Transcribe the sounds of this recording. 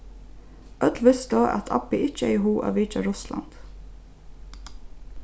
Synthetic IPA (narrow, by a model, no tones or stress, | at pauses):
ʔœd̪lʋɪsd̪oːʔɑ̰t̪ʰɑ̰bɪʔɪt͡ʃəeɪhuːʔo̰ːʋiːt͡ʃɑɾʊslɑ̰nd̪̥